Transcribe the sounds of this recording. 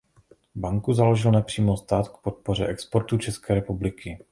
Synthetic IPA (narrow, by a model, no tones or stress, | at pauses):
baŋkuzaloʒɪlnɛpr̝̥iːmost̪aːt̪k̚pot̪̚po̞r̝ɛ̰ʔɛkspo̞ɾt̪ut͡ʃɛskɛːɾɛpublɪkʰɪ